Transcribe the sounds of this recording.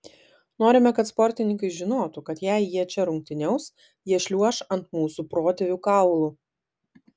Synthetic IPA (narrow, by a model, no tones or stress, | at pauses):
noːɾʲɪmʲɛkɐt̪spɔɾʲt̪ʲɪnʲɪŋkɐɪʒʲɪnoːt̪ukɐt̪jæˑɪjiɛt͡ʃʲɛɾʊŋʲk̚t̪ʲɪnʲɛʊs | jiɛʃʲlʲuɔʃɐnt̪muːsupɾoːt̪ʲɛʋʲuːkɑˑʊlˠu